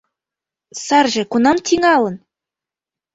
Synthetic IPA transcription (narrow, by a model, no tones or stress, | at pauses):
sɑrʒĕkunɑmt̪ʲʰiŋɑlɤ̆n